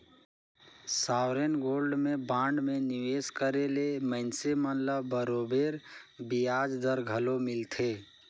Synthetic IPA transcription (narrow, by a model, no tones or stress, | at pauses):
sawɾenɡoːlɖmebãɳɖmeniweskəɾeleməɪnsemənləbːəɾobeɾbijad͡ʒd̪əɾɡʱəlomɪlt̪ʰe